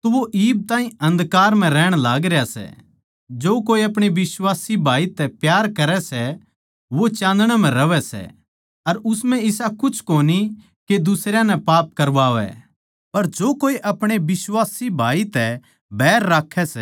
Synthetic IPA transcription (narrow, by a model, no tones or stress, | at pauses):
t̪oʋoʔiːb̚t̪ãːɦĩʔɐ̃nd̪kaːɾm̤ɛ̃ɾɛːɽ̃laːɡɾejasɛ̰ | d͡ʒoːkoːiɐpɽ̃eʋɪsʋaːsibʱaːit̪ɛpjaːɾkɐɾɛsɛ | ʋot͡ʃãːnd̪ɽ̃ɛm̤ɛ̃ɾɐʋɛsɛ̰ | ɐɾʊsm̤ɛ̃ɪsakʊt͡ʃʰkoːni | ked̪ʊsɾjãnɛpaːp̚kɐɾʋaːʋɛ̰ | pɐɾd͡ʒoːkoːiʔɐpɽ̃ebɪswaːsibʱaːit̪ɛ | bʱɛːɾːaːkʰːɛsɛ